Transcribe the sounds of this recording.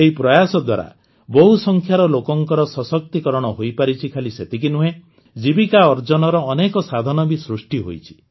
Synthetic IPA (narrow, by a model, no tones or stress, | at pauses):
eɦipɾɔjasɔd̪waɾa̰ | bɔɦusɔŋkʰjaɾɔlokɔŋkɔɾɔsɔsɔk̚t̪ikɔɾɔɽ̃ɔɦojpaɾit͡ʃʰikʰaliset̪ik̬inuɦe | d͡ʒibikaɔɾd͡ʒɔnɔɾɔːnekɔsad̪ʱɔnɔbisɾusʈiɦo̰jt͡ʃʰi̥